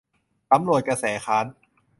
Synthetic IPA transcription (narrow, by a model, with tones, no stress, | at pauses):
ta˧˦mnu˨˩ət̪̚ka˧sɛː˩˦kʰaː˦˥n